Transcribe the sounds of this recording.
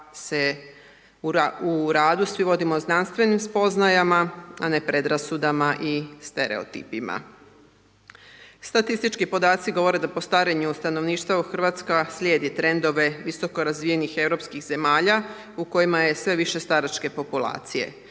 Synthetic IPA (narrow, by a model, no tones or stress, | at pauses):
se | uuɾaːd̪usʋiʋo̞d̪imo̞znanst̪ʋe̞nimspo̞znajamaane̞pɾe̞d̪ɾasud̪amaʔist̪e̞ɾe̞̰o̰t̪ḭpima̰ | st̪at̪ist̪it͡ʃkipo̞d̪aːt̪siɡo̞ʋo̞ɾe̞d̪apo̞st̪aɾeɲust̪anoʋniːʃt̪ʋauxr̩ʋat̪skaslʲjeːd̪it̪ɾe̞nd̪o̞ʋe̞ʋiso̞ko̞ɾazʋije̞nixe̞vɾopskixze̞maːʎa | uko̞jimaje̞sʋe̞ʋiʃe̞st̪aɾat͡ʃke̞po̞pulˠa̰ːt̪sije̞̰